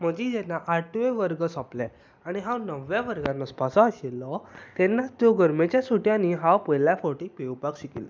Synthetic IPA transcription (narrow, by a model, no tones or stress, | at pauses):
m̤əd͡ʑid͡zɛnːaʔaʈʰʋeʋəɾɡəsɔplɛ | aɽ̃iɦãnəʋjaʋəɾɡanːɔspasɔaɕilːɔt̪ɛnːat͡st̪joɡəɾmet͡ɕjasoʈjãniɦãpəjlafoʈipewpakɕikḭla